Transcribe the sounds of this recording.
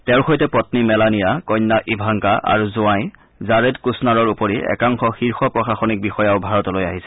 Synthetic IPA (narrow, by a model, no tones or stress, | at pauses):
tɛʊ̃ɹxojtɛpɔtnimɛlanijakɔjnːaʔibʱaŋkaʔa̰ɹuzʊãj | zaɹedkusnaɹɔɹupɔɹiɛ̰kaŋxɔxiɹxɔpɹɔxaxɔnik̚bixɔjaʊbʱaɹɔtɔlojaɦisɛ̥